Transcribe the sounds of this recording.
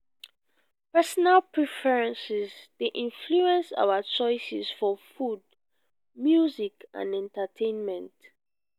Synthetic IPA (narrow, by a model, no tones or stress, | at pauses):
pɛsɔnalpʰɹɛfɛɹɛ̃nsizd̥eʔĩnfluɛ̃nsa̰wat͡ʃɔɪsisfɔfud̚ | mjuzikã̰nɛ̃ntatʰẽnmɛ̃nt